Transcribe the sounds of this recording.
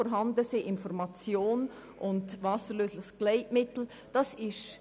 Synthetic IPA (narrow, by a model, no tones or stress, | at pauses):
ɔɾɦɑndəsiʔɪnfɔɾmɑt͡sjoːn | ʔʊndvɑsəɾløːslɪχsɡ̥leɪtmɪtl̩ | d̥ɑsɪʃ